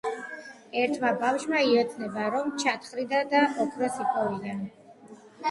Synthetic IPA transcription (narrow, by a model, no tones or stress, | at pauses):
ɛɾt̪ʰmabafʃmaiɔt̪ʰnɛbaɾɔmt͡ʃʰat̪ʰχɾid̪ad̪aʔɔkʰɾɔsipʰʼɔvid̪an